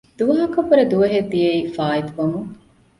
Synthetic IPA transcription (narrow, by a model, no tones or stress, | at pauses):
d̪̥uʋɐɦɐkɐbɐɾed̪uʋɐɦed̪ːijɐiːfaːit̪uʋɐmu